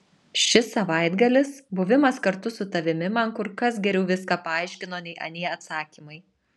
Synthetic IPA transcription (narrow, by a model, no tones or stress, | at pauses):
ʃʲɪsɐʋɐɪd̪ɡɐlʲɪsbʊʋʲɪmɐskɐɾt̪ʊsʊt̪ɐʋʲɪmʲɪmɐnkʊɾkɐsɡʲɛɾʲɛʊʋʲɪskɑːpɐɑˑɪʃʲkʲɪnoːnʲɛɪʔɐ̰nʲiɛɐt̪sɑːkʲiːmɐɪ